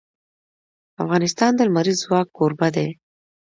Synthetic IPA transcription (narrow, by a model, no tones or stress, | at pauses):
afɣɑnɪst̪ɑnd̪əlmaɾizːwɑkːoɾbad̪e